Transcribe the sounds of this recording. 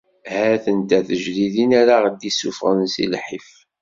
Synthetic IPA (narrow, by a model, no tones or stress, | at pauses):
hæθənt̪æθəʒliðinæɾaʁəd̪isufʁənsḭlħif